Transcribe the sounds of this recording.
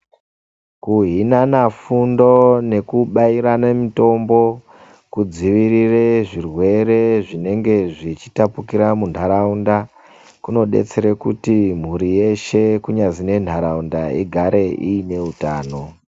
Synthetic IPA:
kuɦinanafundo̞ne̞kuɓaiɾanamito̞mbo̞ | kud͡ziʋirireʐirwe̞re̞ʐine̞ŋɡe̞ʐit͡ʃitapukiɾamuntʰaɾaunda | kuno̞ɗe̞̰t͡se̞ɾekutim̤uɾije̞ʃe̞kuɲazine̞ntʰaɾaundaiɡʱaɾe̞ʔiine̞utaːno̞

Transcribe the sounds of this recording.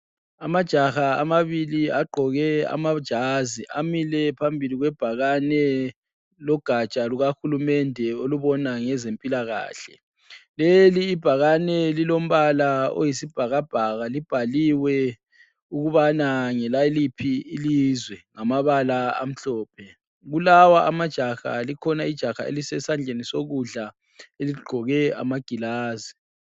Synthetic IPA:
amad̥ʒ̥ʱaxaamaβiliaɡ͡ǃʱɔɣɛa̰mad̥ʒ̥ʱaziʔa̰milɛpʰambʱiliɣwɛb̥ʱaɣanɛ | lɔɡ̥ʱat͡ʃʼaluɣaxulumɛndʱɛoluβɔnaŋɛzempʼilaɣa̰ːɬɛ̰ | leliːb̥ʱaɣanɛlilom̩βalao̰jisib̥ʱaɣab̥ʱaɣalib̥ʱaliwɛ | uɣuβanaŋɛlajlipʰiːlizwɛŋamaβalaa̰m̩ɬɔːpʰɛ | ɣulawaʔamad̥ʒ̥ʱaxa̰likʰɔnaid̥ʒ̥ʱaxa̰ḛlisɛsand͡ɮʱenisoɣuɮa | eliɡ͡ǃʱɔɣɛa̰maɡ̥ʱilaːzi

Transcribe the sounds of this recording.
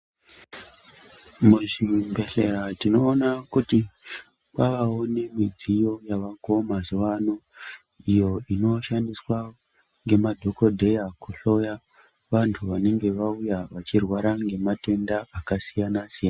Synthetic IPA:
muʐimbe̞ɬe̞ɾatino̞ːnakuti | kaʋawone̞mid͡zijo̞jaʋako̞mazuʋano | ijo̞ino̞ʃandiswa | ŋɡe̞madʱo̞ko̞dʱe̞jakuɬo̞ja | ʋantʰuʋane̞ŋɡe̞ʋaujaʋat͡ʃirwaɾaŋɡe̞mate̞ndaakasijanasijana

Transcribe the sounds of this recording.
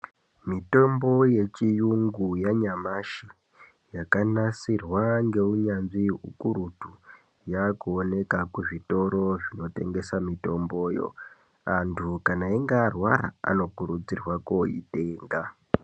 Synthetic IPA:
mito̞mbo̞je̞t͡ʃijuŋɡujaɲamaʃi | jakanasirwaŋɡe̞uɲanʐiṵkuɾutu | jakuone̞kakuʐito̞ɾo̞ʐino̞te̞̰ŋɡe̞samito̞mbo̞ːjo̞̰ | antʰukanaeŋɡaːrwa̰ɾa̰a̰no̞kuɾud͡zirwakoḭte̞ːŋɡa

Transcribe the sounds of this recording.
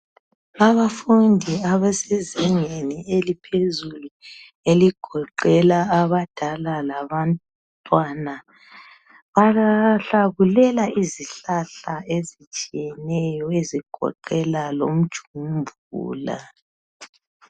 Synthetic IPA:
aβafundʱiaβɛsɛzɛŋenielipʰezulu | eliɡ̥ʱɔǃɛlaːβad̥ʱalalaβan | tʼwana | βaɬaɣulɛlaiziɬaɬaezit͡ʃʼijɛnɛjɔeziɡ̥ʱɔ̰ǃɛlalo̰m̩d̥ʒ̥ʱumbʱ | ṵːla̰

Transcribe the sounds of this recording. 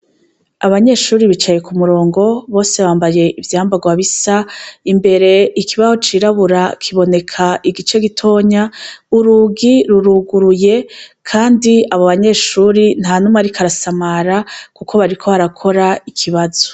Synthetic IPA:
aβaɲe̞ːʃuːɾiβit͡ʃaje̞kumuɾo̞ːŋɡo̞βo̞ːse̞βaːmbaje̞ivjaːmbaɡwaβisaimbe̞ɾe̞ikiβazot͡ʃiːɾaβuɾakʰiβo̞ne̞kʰaʔiɡit͡ʃe̞ɡitʰo̞ːɲauɾuɡiɾuɾuɡuɾuje̞kʰaːndiaβoβaɲe̞ːʃuːɾin̥hanumaɾikʰaɾasamaɾakukʰo̞βaɾikʰo̞βaɾakʰo̞ɾaikʰiβazo̥

